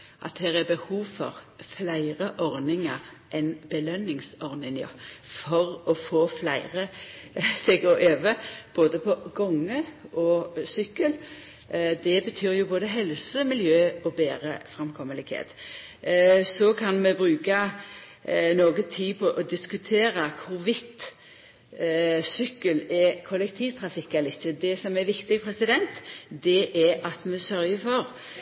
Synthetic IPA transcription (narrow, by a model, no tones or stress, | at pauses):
ʔɑ̰t̪̚hɛːʁæbəhuːʋfɔʁflæɪʁəʔɔʁnɪŋəʁ | ʔɛnbəlœnːɪŋsɔʁnɪŋə̰fɔʁɔfoːflæɪʁə | sɛɡɔʔøːʋəb̥oːd̪əpʰɔɡɔŋːəʔɔsʏkːəl | d̪ɛbət̪ʰyːɾjʊboːd̪əɦɛlsəmɪljøːɔbeːɾəfɾʁɑmkʰɔmːəlɪɡhḛːt̪ | sɔkʰɑnmɛbɾʉːkɑ | noːɡət̪ʰiːpʰɔʔɔd̪ɪskʉt̪ʰeːɾəkʰʊɾʋɪt̪ | sʏkːəlɛkʰɔlɛk̚t̪ʰiːʋt̪ʰɾɑfɪkːɑlɪçːəd̪ɛsɔmɛɾʋɪkt̪ɪɡpʰɾɛsɪd̪ɛnt̪d̪ɛʔɛʔɑt̪mɛsœɾjəfɔʁ